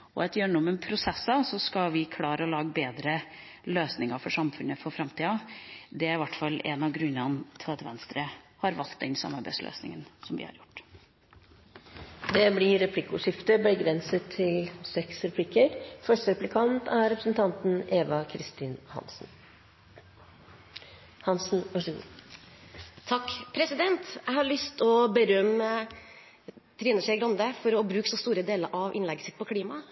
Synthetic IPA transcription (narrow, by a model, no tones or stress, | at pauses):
ɔɛt̪jøːɳʊmənpʰɾʊsɛsːɑsɔskɑʋɪkʰlɑːɾəɔlɑːɡəbeːd̪ɾə | løːsnɪŋɑɾfɔʂɑmfʉnːəfɔɾfɾɑmt̪ʰiːɑd̪ɛæɾɪʋæʈːfɑlːɛ̰nɑɡɾʉnːɑnt̪ʰøːd̪ʋɛnst̪ɾə | hɑɾʋɑlt̪̚d̪ɛnsɑ̰mːɑɾbæ̰ɪslø̰ːsnɪ̰ŋənsɔmʋɪ̰hɑ̰ɾjʊʈː | d̪ɛblɪɾɛpʰlɪkːʊʂɪft̪əbəɡɾɛnsət̪ʰːɪlsɛksɾɛpʰlɪkːəɾfœʂəɾɛplɪkʰɑnt̪æɾɾɛpɾəsn̩t̪ʰɑnt̪n̩eːʋɑkʰɾɪst̪iːnhɑ̰nsn | hɑnsn̩ʋɑʂɡṵː | t̪ʰɑkːpʰɾɛsɪd̪ɛnt̪æɪhɑɾɭʏst̪ɔbəɾœmə | t̪ʰɾɪːʉnəʂɛɪɡɾɑnd̪əfɔɾɔbɾʉːksɔst̪uːɾəd̪eːləɾʔɑʋʔɪnlɛɡəsɪt̪pʰɔkʰliːmɑ